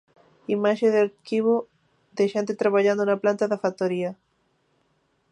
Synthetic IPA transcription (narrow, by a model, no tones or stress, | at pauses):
imaʃeðeaɾkiβo | ðeʃent̪et̪ɾaβaʝand̪onaplant̪aðafat̪oɾia